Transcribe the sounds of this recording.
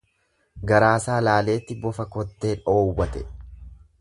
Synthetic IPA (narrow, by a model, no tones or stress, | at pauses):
ɡɐɾaːsaːlaːle̞ːt̪ːɪbɔfɐkɔt̪ːe̞ːᶑo̞ːwːɐt̪ɛ